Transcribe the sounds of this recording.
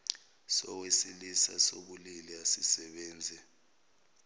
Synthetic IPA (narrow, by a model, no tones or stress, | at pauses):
sɔwesilisa̰soɓuliliasisɛɓɛːnd͡zʱɛ